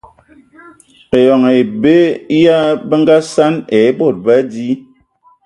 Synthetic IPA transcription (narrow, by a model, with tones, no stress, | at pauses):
e˨jɔ˨ŋe˨be˦ja˦bə˦ŋ˦ɡa˦sa˦ne˨˦bo˦˨t̚ba˦di˦